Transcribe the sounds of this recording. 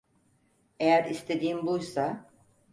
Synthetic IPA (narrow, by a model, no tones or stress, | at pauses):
e̞jæɾist̪ʰe̞d̪iːmbujsa